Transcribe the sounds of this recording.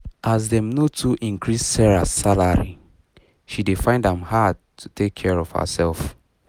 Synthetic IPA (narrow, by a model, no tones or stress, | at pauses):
ʔazdɛ̃mnotʰuʔĩŋkʰɹisːɛɹasalaɹḭ | ʃidefãɪ̃ndãmhad̚tʰu̥tʰekʰːɛɹɔv̥hə̰sɛlf